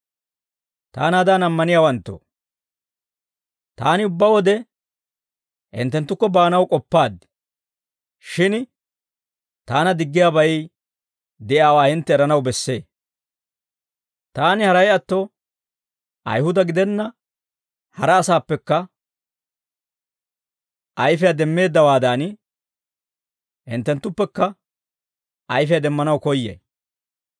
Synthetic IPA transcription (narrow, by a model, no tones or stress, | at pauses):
t̪aːnaːd̪aːnɐmːɐnɪjaːwɐnt̪ːo̰ | t̪aːnɪʊbːɐwɔd̪ɛ | ɪ̰nt̪ːɛnt̪ːʊkːɔbaːnɐwkʼɔpːaːd̪ɪ̥ | ʃɪn | t̪aːnɐd̪ɪɡːɪjaːbɐj | d̪ɛʔaːwaːhɪnt̪ːɛːɾɐnɐwbɛsːe̞̰ː | t̪aːnɪhɐɾɐjɐt̪ːɔ | ʔɐ̰jhʊd̪ɐɡɪd̪ɛnːɐ | hɐɾɐːsaːpːɛkːɐ | ʔɐjfɛjad̪ɛmːe̞ːd̪ːɐwaːd̪aːn | hɪ̰nt̪ːɛnt̪ːʊpːɛkːɐ | ɐjfɛjad̪ɛmːɐnɐwkɔjːḛj